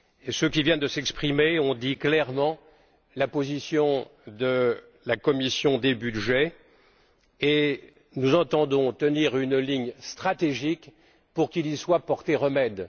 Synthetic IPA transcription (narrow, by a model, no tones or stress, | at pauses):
esøkʲivjɛnd̪əsɛkspχimeɔ̃d̪iklɛʁmɑ̃ | lapozisjɔ̃d̪ə | lakɔmisjɔ̃d̪ebyd̪ʒɛ | e | nuzɑ̃t̪ɑ̃d̪ɔ̃t̪əniʁynliɲst̪χat̪eʒik | puʁkiliswapɔʁt̪eʁəmɛd̪